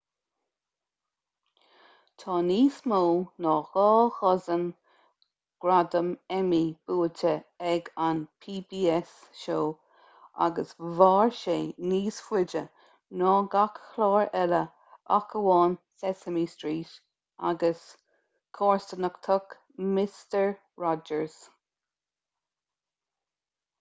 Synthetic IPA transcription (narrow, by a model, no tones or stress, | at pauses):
t̪ʰɑːniːsmoːnɑːxɑːxɔzən | ɡ̥ɾadəmɛmib̥uːətʰəɛɡanpʰiːbiːɛsʃoː | a̰ɡəsvɑːɹʃeːniːsfwɪd͡ʒə | nɔːɡakːlɑːɹɛlə | akʰəwɑːnsɛsəmiːstɹiːʃ | a̰ɡəs | kʰɑːɹstənəkt̪ʰɔk | mɪstəɹ | ɹɔd͡ʒəɹz̥